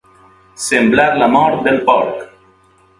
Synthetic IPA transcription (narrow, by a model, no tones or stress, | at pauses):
semblaɾlamɔɾt̪̚d̪elpɔɾk